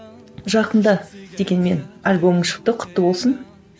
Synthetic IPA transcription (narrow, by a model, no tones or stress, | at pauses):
ʒɑqənd̪ɑd̪̥e̞ɡʲe̞nme̞nalʲbo̞mɪʃə̥p̚t̪əqʰʊ̥t̪ːəbo̞lˠsən